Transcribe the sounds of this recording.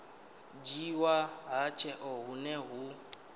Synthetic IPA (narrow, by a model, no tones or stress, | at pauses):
d͡ʒiwaɦat͡ʃʰɛʔɔɦunɛɦu